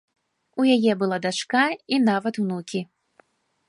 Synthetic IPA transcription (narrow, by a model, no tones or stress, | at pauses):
ujajɛbɨlˠad̪at͡ʂkainavɐt̪wnukʲi